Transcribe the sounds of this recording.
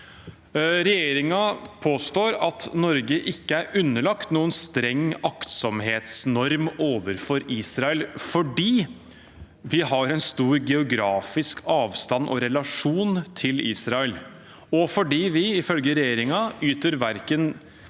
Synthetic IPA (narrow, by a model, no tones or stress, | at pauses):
ɾɛjeːɾɪŋɑpʰoːst̪oːɾɑt̪nɔɾɡəʔɪkːəæɾʔʉnːəɭɑkt̪nuːənst̪ɾɛŋːɑkt̪sɔmɦeːt̪snɔɾmoːʋəɾfɔɾiːsɾɑəlfɔɖiː | ʋɪɦɑɾɛnst̪uːɾɡɛʊɡɾɑːfɪskɑːʋst̪ɑnːʔɔ̰ɾɛlɑʂuːnt̪ʰɪliːsɾɑəl | ɔfɔɖiːʋɪɪfœlɡəɾɛjeːɾɪŋɑyːt̪əɾʋæɾkən